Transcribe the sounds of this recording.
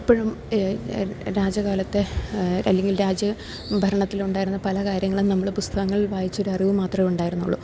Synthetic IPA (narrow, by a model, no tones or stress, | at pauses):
ipːɐɻum | ɾaːd͡ʑɐɣaːlɐt̪ːe̞ɐlːe̞ŋɡilɾaːd͡ʑɐ | bʱɐɾɐɳɐt̪ːiluɳɖaːjiɾunːɐpɐlɐkaːɾjɐŋːɐɭumnɐmːɐɭpust̪ʰɐɣɐŋːɐɭʋaːjit͡ɕːo̞ɾuɐriʋɨmaːt̪rɐmeuɳɖaːjiɾunːuɭːṵ